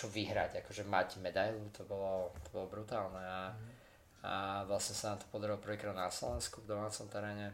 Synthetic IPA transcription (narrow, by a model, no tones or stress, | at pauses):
t͡ʃɔʋiɦɾa̰ɟakɔʒɛmaɟmɛd̪ajlut̪ʰɔbɔlɔt̪ɔbɔlɔbɾut̪aːlnɛa | ʋlasɲɛsanaːmt̪ɔ̥pɔd̪aɾilɔprʋiːkɾad̪naslɔʋɛnskuvd̪ɔmaːt͡sɔmt̪ɛɾɛːɲɛ